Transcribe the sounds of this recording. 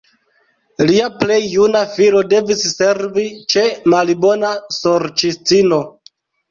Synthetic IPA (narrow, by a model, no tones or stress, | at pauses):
liaple̞jːunafilo̞de̞visːe̞ɾvit͡ʃe̞malibo̞naso̞ɾt͡ʃist͡sino̞